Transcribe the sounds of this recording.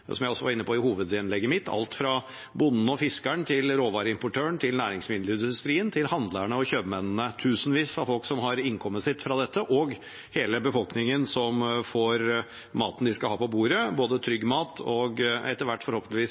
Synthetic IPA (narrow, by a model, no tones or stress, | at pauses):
sɔmjæɪɔsːɔʋɑɾɪnːəpʰɔɪhuːʋəd̪ɪnlɛɡːəmɪt̪ʰːɑ̰lt̪fɾɑ | bʊnːn̩ɔfɪskəɳt̪ʰɪlɾoːʋɑːɾəɪmpʊʈʰøːəɳt̪ʰɪlnæːɾɪŋsmɪd̪ləɪnd̪ʉst̪ɾiːənt̪ʰɪlhɑnd̪ləɳəɔçøːbmɛnnət̪ʰʉːsnʋiːsɑʋfɔlksɔmɦɑɾɪŋkʰɔmːəsɪt̪ːfɾɑd̪ɛt̪ʰːəʔɔɡ | heːləbəfɔlknɪŋənsɔmfɔɾ | mɑ̰ːt̪n̩d̪ɪskɑlhɑːpɔbuːɾəboːd̪ət̪ʰɾʏɡːmɑːt̪ʰɔɡɛt̪ːəɾʋæʈːfɔɾhoːpəlɪʋiːs